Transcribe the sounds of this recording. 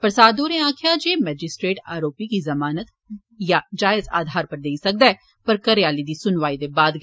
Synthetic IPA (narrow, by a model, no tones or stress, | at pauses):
pɾəsaːd̪oːɾẽaːkʰjad͡ʒeːmɛːd͡ʒɪsʈɾeːʈa̰ːɾoːpikizɐmaːnət̪ | jad͡ʒaːɪza̰ːd̪ʱaːɾpəɾd̪eːisɐk̚d̪aɛ | pəɾkəɾejaːlid̪iːsʊnʋaːid̪ebaːd̪ɡ